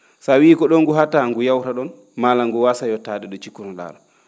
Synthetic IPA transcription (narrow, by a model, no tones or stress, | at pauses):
sawiːkɔɗɔŋɡuɦataŋɡujawtaɗɔn | malaŋɡuwasajɔtadɛɗɔt͡ʃikːunɔla̰ːɗɔ